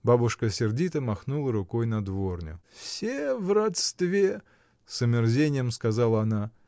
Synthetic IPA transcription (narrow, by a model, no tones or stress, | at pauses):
babʊʂkəsʲɪrdʲit̪əmɐxnulˠəɾʊko̞jnɐd̪vo̞rnʲʊ̰fsʲevrɐt̪st̪vʲe | sʊmʲɪrzʲenʲɪjəmskazalˠəɐna